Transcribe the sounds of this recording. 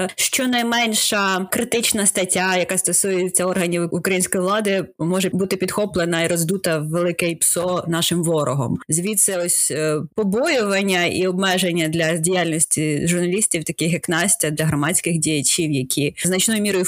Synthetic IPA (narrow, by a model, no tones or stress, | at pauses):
ʃt͡ʃɔnɐjmɛnʲʃɐkɾɪt̪ɪt͡ʃnɐst̪ɐtʲːajɐkɑst̪ɔsujɛt͡sʲɛɔrɦɐnʲiukɾɐjinʲsʲkɔjiʋlˠɑd̪ɪmɔʒɛbut̪ɪpʲid̪xɔplˠenɐiɾɔzd̪ut̪ɐʋelˠɪkɛjpsɔnɑʃɪmʋɔɾɔɦɔ̰mzʲʋʲit̪sɛɔsʲpɔbɔjʊʋɐnʲːɐḭɔbmɛʒenʲːɐd̪lʲɐdʲijalʲnɔsʲtʲiʒʊrnɐlʲisʲtʲiwt̪ɐkɪxɛknɑsʲtʲɐd̪lʲɐɦɾɔmɑt͡sʲkɪxdʲijɐt͡ɕʲiwjɐkʲʰiznɐt͡ʃnɔjʊmʲiɾɔjʊ